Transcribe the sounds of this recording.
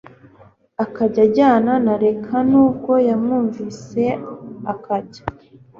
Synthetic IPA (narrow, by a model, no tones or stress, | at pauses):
akaɟaɟaːnanaɾe̞kʰanuːb̚ɡo̞jamŋuːɱvise̞akʰaɟḁ